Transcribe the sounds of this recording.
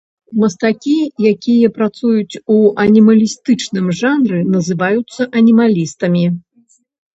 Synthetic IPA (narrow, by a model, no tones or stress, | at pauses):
mɐst̪akʲijakʲijɐpɾat̪sujut͡sʲuʔɐnʲimɐlʲist̪ɨt͡ʂnɨmʐanɾɨnɐzɨvajut̪sːɐʔɐnʲimalʲist̪ɐmʲi